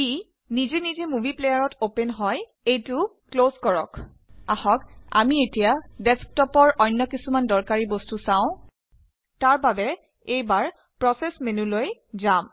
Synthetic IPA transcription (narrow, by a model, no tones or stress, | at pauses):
i | nizenizemuviplejaɹɔtopenɦɔj | ejtʊklozkɔɹɔk | ahɔka̰mietijadɛsk̚tɔpɔɹʔɔjnːɔkisumandɔɹkaɹibɔstusãʊ̃ | taɹbabɛ | ejbaɹ | pɹɔsɛsmenulojzam